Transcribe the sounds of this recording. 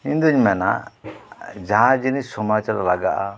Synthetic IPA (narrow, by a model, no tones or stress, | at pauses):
ind̪uɲmɛna̰ | d͡ʒaɦãd͡ʒinisɔmat͡ʃaɾlaɡaʔa